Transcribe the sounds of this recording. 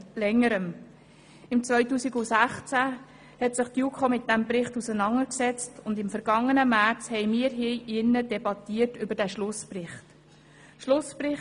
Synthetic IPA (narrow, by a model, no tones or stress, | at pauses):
lɛŋːəɾəm | ɪmt͡sʋœʏtuːsiɡʊsæχt͡sæ | hɛtsɪχtjukʰomɪt̚d̥æmbɾɪχtusənɑŋəɾksɛt͡stʊndɪmfəɾɡ̥ɑŋːənəmæɾt͡shɛɪmiːəɾɦiʔɪnːəd̥ɛbɑtiːəɾtʏbəɾd̥æʃlʊsprɪχt | ʃlʊspɾɪχ